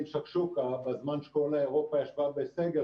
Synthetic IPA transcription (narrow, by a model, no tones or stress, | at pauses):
mʃaχʃukabazmanʃe̥kolaeʁopajaʃvabeseɡe